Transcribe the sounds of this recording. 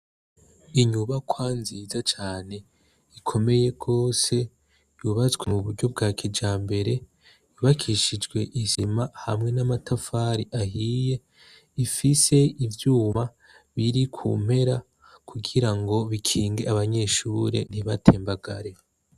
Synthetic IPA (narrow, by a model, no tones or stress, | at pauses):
iɲuβakwaːnziːzat͡ʃaːne̞ | ikʰo̞me̞je̞ɡ̥o̞ːse̞ | juβazwemuβuɾɟo̞b̚ɡaːkid͡ʒaːmbe̞ɾe̞ | iβakʰiʃid͡ʒɡwe̞ʔizimaha̰mŋe̞namatʰafaɾiʔaɦiːje̞ | ifise̞ivjuːmβa | βiɾikʰṵm̥he̞ɾa | kuɡiɾaŋɡo̞βikʰiːŋɡeaβaɲe̞ʃuɾe̞̰niβatʰeːmbaɡa̰ɾe̞